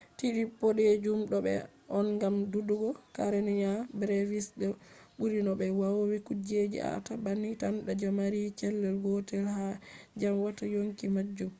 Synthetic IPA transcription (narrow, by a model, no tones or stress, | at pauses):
tiɗipːɔɗed͡ʒumɗɔbɛ̰ | ʔɔnɡamduduɡɔkaɾɛniɲabɾevisɗɛɓuɾinɔbɛwawowikud͡ʒed͡ʒḭa̰tabanːitanɗad͡ʒamaɾit͡ʃɛlːɛlɡɔtɛlhad͡ʒamwatajoŋkimad͡ʒːum